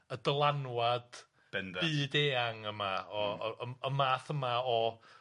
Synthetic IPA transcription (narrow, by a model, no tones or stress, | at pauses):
ədəlˠanwad̥ | b̥ɛndɨːdeːaŋəmaɔəmaːθəmaɔ